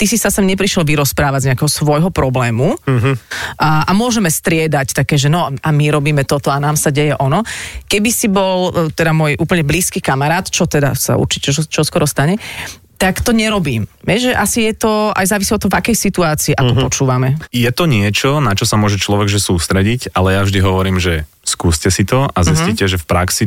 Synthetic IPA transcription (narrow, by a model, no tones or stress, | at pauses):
t̪isisasɛmɲɛpɾiʃɛlʋiɾɔspɾaːʋaɟzɲɛakɛɦɔsʋɔjɦɔpɾɔblɛːmu | ʔʔamʊɔʒɛmɛst̪ɾɪɛd̪act̪akɛːʒɛnɔʔamiɾɔbiːmɛt̪ɔt̪ɔanaːmsaɟɛjɛʔɔnɔkɛbisibɔlt̪ɛd̪amʊɔjʔuːpl̩ɲɛbliːskikamaɾaːt̪t͡ʃɔt̪ɛd̪a̰sa̰ṵɾt͡ʃicɛt͡ʃɔskɔɾɔst̪aɲɛ | t̪akt̪ɔɲɛɾɔbiːmʋɛʒɛʔasijɛt̪ɔa̰jzaːʋisiɔt̪ːɔɦɔvakɛjsit̪uaːt͡siːʔakɔpɔt͡ʃuːʋamɛjɛt̪ɔɲɪɛt͡ʃɔnat͡ʃɔsamʊɔʒɛt͡ʃlɔʋɛɡʒɛsuːst̪ɾɛɟicalɛjavʒd̪iɦɔʋɔɾiːmʒɛ | skuːscɛsit̪ɔazisicɛʒɛfpɾaksi